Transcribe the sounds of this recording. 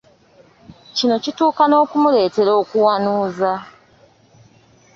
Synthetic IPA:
cino̞cituːkano̞ːkumule̞ːte̞ɾo̞ːkuwanuːza

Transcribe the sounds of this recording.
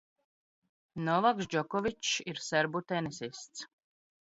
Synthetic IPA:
nɔvaksd͡ʒɔkɔvit͡ʃiɾsɛɾbut̪ɛnisist̪s

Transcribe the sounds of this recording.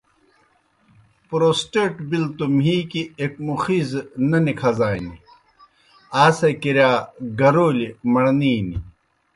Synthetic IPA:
pɾoːsʈeːʈbilt̪umɦiːkiek̚muxiznɐnikʰɐzaːini | aːsekiɾjaːɡɐɾoːlimɐɽniːni

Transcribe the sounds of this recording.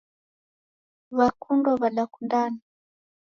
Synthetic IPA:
βakundɔβalakundani

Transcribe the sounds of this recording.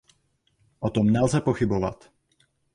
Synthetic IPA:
ʔɔt̪ɔmnalzɛpɔxibɔʋa̰c

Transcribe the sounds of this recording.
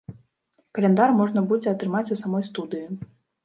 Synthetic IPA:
kɐlʲɛnd̪armɔʐnɐbud͡zʲɛɐt̪ɾɨmat͡sʲusamɔjst̪ud̪ɨji

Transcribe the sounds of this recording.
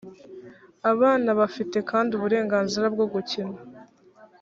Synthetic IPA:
aβaːnaβafite̞kaːndiuβuɾe̞ːŋɡaːnziɾabɡo̞ɡucina

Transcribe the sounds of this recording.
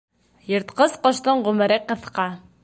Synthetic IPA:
jɤ̆ɾt̪qɤzqɒ̆ʃt̪ɤɴʁʉmɘ̆ɾɘqːɤ̆θqɑ

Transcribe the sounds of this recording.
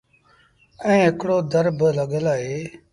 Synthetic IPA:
ɛ̃ːɦɪkɽoːd̪əɾbləɠəlaːɦeː

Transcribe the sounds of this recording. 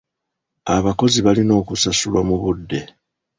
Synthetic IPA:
aβako̞ziβalino̞ːkusasulwamuβudːe̞

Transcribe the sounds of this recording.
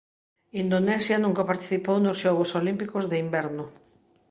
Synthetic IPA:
ind̪onɛsjɐnũŋkapaɾt̪i̥θipownosʃɔɣosolimpikozðeimbɛɾnʊ

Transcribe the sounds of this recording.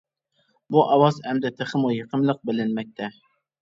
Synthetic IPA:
buʔɑwɑzɛmd̪ɛt̪ʰeχəmujəqʰəmlˠəq̚bɪlɪnmɛk̚ʲt̪ʰɛ

